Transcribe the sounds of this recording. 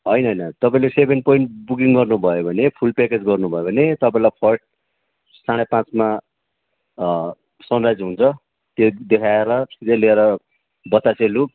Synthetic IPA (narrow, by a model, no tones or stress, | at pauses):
ɦʌjnʌɦʌjnʌt̪ʌpaĩlesebʱenpoiɳʈbuk̬iŋɡʌrnubʱʌjobʱʌnepʰulpeked͡zɡʌrnubʱʌjobʱʌnet̪ʌpaĩlapʰʌʈ̚ | saɽ̃epãt͡sma | sʌnrad͡zɦũnt͡sʰʌ | t̪jod̪ekʰaeɾʌsid̪ʱeleeɾʌ | bʌt̪at͡selu